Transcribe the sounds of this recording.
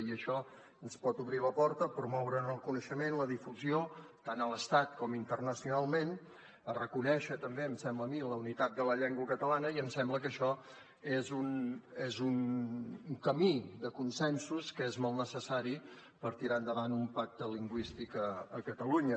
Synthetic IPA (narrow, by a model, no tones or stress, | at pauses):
iəʃɔ | ənspɔt̪uβɾiləpɔɾt̪əpɾumɔwɾənəlˠkunəʃəmenləðifuziot̪anələst̪at̪kɔmint̪ərnəsiunalˠmen | ərəkunɛʃət̪əmbeəmsɛmbləːmiləunit̪at̪̚d̪ələʎɛŋɡwəkət̪əlanəiəmsɛmbləkəʃɔ | ezunezuŋ | kəmid̪əkunsɛnsuskəezmɔlˠtnəsəsaɾi | pəɾt̪iɾand̪əβanumpak̚t̪əliŋɡwist̪ikəəkət̪əluɲə